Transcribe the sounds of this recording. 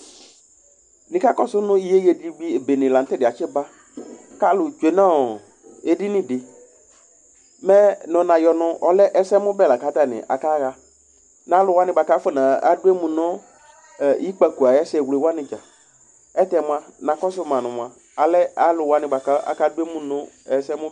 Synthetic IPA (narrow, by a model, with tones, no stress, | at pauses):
nɪ̃˨˦ka˦kɔ˦sʊ˦nʊ̃˦i˦je˦je˨di˦ɡ͡bi˦e˨be˨nɪ̃˨la˨n̩˦tɪ˦dɪ˨a˨t͡ʃɪ˦ba˦ | ka˦lʊ˨t͡ʃe˨nã˦ɔ˨ | e˨di˦nɪ̃˦dɪ˨ | mɛ˦nɔ̃˨nã˨jɔ˨nʊ̃˦ɔ˨lɛ˦ʔɛ˦sɛ˦mʊ˦bɛ˦˨la˨ka˨˦ta˦nɪ̰˨ʔa̰˨ka˦ɣa˦ | na˨˦lʊ˨wa˦nɪ̃˨˦ba˨ka˦fʊ˦˨nã˨a˦dʊ˦e˦mʊ̃˨nʊ̃˦˨ | i˦k͡pa˨ku˨a˨jɛ˦sɛ˨wle˨wa˦nɪ̃˨t͡ʃa˨ | ɛ˦tɛ˨mʊ̃˨a˨nã˨kɔ˦s̬ʊ˦mã˨nʊ̃˨mʊ̃˨a˨ | a˨lɛ˦a˦lʊ˨wa˦nɪ̃˨ba˨ka˦a̰˨ka˦dʊ˦e˦mʊ̃˦nʊ̃˦ | ɛ˨sɛ˦mʊ̃˦